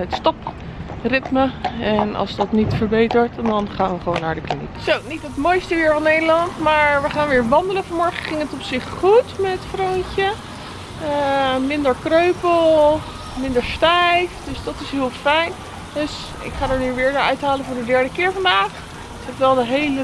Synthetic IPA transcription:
ətstɑprɪtməɛnɑ̰lˠzdɑtnitfəɹbejtəɹtdɑnχaːnʋəχəʋownːaːɹdəklinḭksownitɦətmojstəʋɪːɹvɑnːejdəlɑntmaːɹʋəχaːnʋɪːɹʋɑndələnvɑnmɔɹχəχɪŋətɔpsɪχχutmɛtfrowɲcə | əmɪndəɹkrøɥpəlˠ | mɪndəɹstɛjfd̥øsdɑtɪsɦɪːlˠfɛjn | døs | ɪ̰kχaːdəɹnyʋɪːɹdəœɥtɦaːlənvʊːɹdədɛɹdəkɪːɹvɑndaːχ | ɪkɛpʋɛlˠdəɦejlə

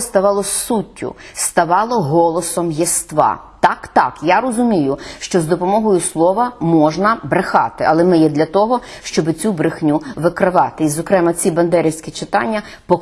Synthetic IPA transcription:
st̪ɐʋɑlˠɔsutʲːʊ̰st̪ɐʋɑlˠɔɦɔlˠɔsɔmjɪst̪ʋɑ̰ | t̪ɑkt̪ɑkjaɾɔzʊmʲijʊʃt͡ʃɔzd̪ɔpɔmɔɦɔjʊslˠɔʋɐmɔʒnɐbɾɪxɑt̪ɪʔɐlˠɛmɪjɛd̪lʲɐt̪ɔɦɔʃt͡ʃɔbɪt͡sʲubɾɪxnʲuʋɪkɾɪʋɑt̪ɪizɔkɾɛmɐt͡sʲibɐnd̪ɛɾʲiwsʲkʲit͡ʃɪt̪ɑnʲːɐ | pɔ

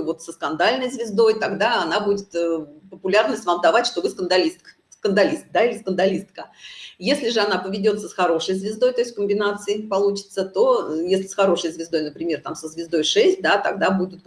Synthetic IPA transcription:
vo̞t̪səskɐnd̪alʲnəjzvʲɪzd̪o̞jt̪ɐɡd̪aɐnabudʲɪt̪əpəpʊlʲarnəsʲtʲvamd̪ɐvatʲʂt̪o̞bɨskənd̪ɐlʲist̪̚k | skənd̪ɐlʲist̪̚d̪aɪlʲɪskənd̪ɐlʲist̪kəjesʲlʲɪʐɨɐnapəvʲɪdʲo̞t̪səsxɐɾo̞ʂɨjzvʲɪzd̪o̞jt̪osʲt̪ʲkəmʲbʲɪnat̪sɨɪpɐlˠut͡ɕɪ̥t̪sət̪o̞jesʲlʲɪsxɐɾo̞ʂəjzvʲɪzd̪ojnəpɾʲɪmʲe̞rt̪amsəzvʲɪzd̪o̞jʂɛsʲt̚ʲd̪at̪ɐɡd̪abudʲɪt̪̚

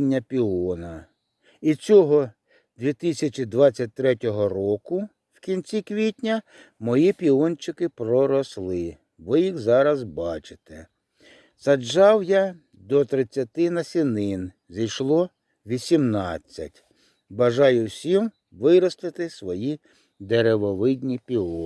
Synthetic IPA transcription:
nʲːɐpʲiɔnɐ | it͡sʲɔɦɔ | d̪ʲʋʲit̪ɪsʲɐt͡ʃʲid̪ʋɑt͡sʲːɐt̚ʲt̪ɾɛtʲɔɦɔrɔkʊ | wkʲinʲt͡sʲikʋʲitʲnʲɐ | mɔjipʲiɔnʲt͡ʃɪkɪpɾɔɾɔslˠɪ | ʋɪjixzɑɾɐzbɑt͡ʃɪ̥t̪ɛ | sɐd͡ʒɑwja | d̪ɔt̪ɾɪt͡sʲːɐt̪ɪnɐsʲinɪn | zʲijʃlˠɔ | ʋʲisʲimnɑt͡sʲːɐ̰tʲ | bɐʒɑjʊwsʲim | ʋɪɾɔslˠɪt̪ɪsʋɔji | d̪eɾeʋɔʋɪd̪ʲnʲipʲiɔ

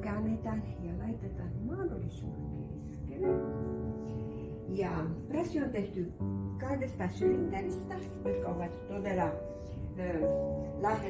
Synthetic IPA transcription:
kænːet̪ænjɑlɑit̪ːet̪ɑnnmɑːdolisṵɑmḛisɑkeʋæ | jɑˑpæsiont̪eht̪ykɑhdest̪ɑsyint̪ælist̪æ | ʋɑit̪kːɑoʋɑt̪t̪od̪elɑ | ølɑ

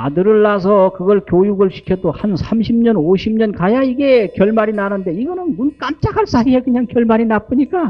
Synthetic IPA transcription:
a̰dɯɾɯɭːasʰʌkɯɡʌɭkjojuɡɯɭɕʰi̥kʰjʌdohansʰamɕʰimɲʌnoɕʰimɲʌnkajaiɡe̞kjʌɭmaɾinaɾɯnde̞iɡʌnɯnmunk͈amt͡ɕ͈akʰaɭs͈ʰaiekɯɲaŋkjʌɭmaɾinap͈ɯɲik͈a

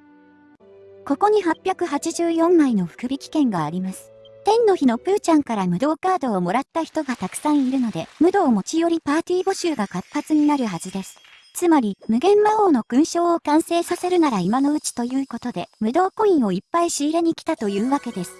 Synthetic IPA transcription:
ko̞ko̞ɲ̟iɦapʲːjakɯ̟ɦat͡ɕiʑɨːjõ̞mːaino̞ɸɯ̟̥kɯ̟bʲikʲi̥kẽ̞ŋɡaːɾʲimasɨ̥t̪ẽ̞nːo̞çino̞pɯ̟ːt͡ɕãŋkaɾamɯ̟d̪o̞ːkaːd̪o̞ːmo̞ɾat̪ːaçi̥t̪o̞ɡat̪akɯ̟̥sãɰ̃iɾɯ̟no̞d̪e̞mɯ̟d̪o̞ːmo̞t͡ɕijo̞ɾʲipaːt̪ʲiːbo̞ɕɨːɡakapːat͡sɨɲ̟inaɾɯ̟ɦazɨd̪e̞sɨ̥ | t͡sɨmaɾʲimɯ̟ɡẽ̞mːaoːno̞kɯ̟̃ɰ̃ɕo̞ːokãɰ̃se̞ːsase̞ɾɯ̟naɾaimano̞ɯ̟t͡ɕi̥t̪o̞jɯ̟ːko̞t̪o̞d̪e̞mɯ̟d̪o̞ːkõ̞ĩɰ̃o̞ipːaiɕiːɾe̞ɲ̟ikʲi̥t̪at̪o̞jɯ̟ːβake̞d̪e̞sɨ̥

